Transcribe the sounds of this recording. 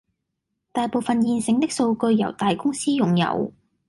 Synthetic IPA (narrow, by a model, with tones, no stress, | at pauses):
t̪aː˨˩jpo˨wfɐ˨njiː˨˧nsɪ˨˥ŋt̪ɪ˥k̚so˧wkɵ˧ɥjɐ̰˨˩wt̪aː˨jkʊ˥ŋsiː˥jʊ˨ŋjɐ̰˨˩w